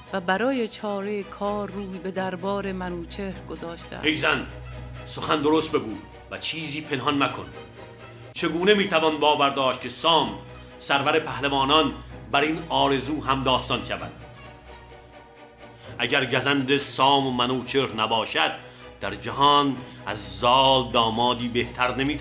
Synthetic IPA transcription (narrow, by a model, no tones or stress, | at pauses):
væbæɾɒːjet͡ʃʰɒːɾekʰɒːɾːuːjbe̞d̪æɾbɒːɾemænuːt͡ʃʰeɾɡozɒːʃt̪ʰæ̰ejzænso̞xænd̪o̞ɾost̪̚be̞ɡuː | væt͡ʃʰiːziːpʰe̞nɦɒnmækʰo̰n | t͡ʃʰe̞ɡuːne̞miːt̪ʰævɒnbɒːvæɾd̪ɒːʃt̪̚cʰesɒːm | sæɾvæɾe̞pʰæhlevɒːnɒnbæɾinɒːɾe̞zuːɦæmd̪ɒːst̪ɒnkʰæbæ̰nd̪̥ | ʔæɟæɾɟæzænd̪esɒːmmænuːt͡ʃʰeɾnæbɒːʃæd̪̚d̪̥æɾd͡ʒæɦɒːnæzːɒːld̪ɒːmɒːd̪iːbeht̪ʰæɾnemiːt̪ʰ